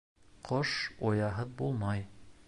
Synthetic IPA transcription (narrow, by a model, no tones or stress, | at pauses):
qʰoʃojɑɦɤðbulˠmɑj